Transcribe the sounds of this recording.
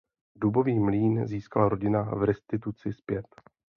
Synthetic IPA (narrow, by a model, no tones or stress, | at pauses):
dubo̞viːmliːnziːskalaɾo̞ɟɪnavɾɛst̪ɪt̪̬ut͡sɪspjɛt̪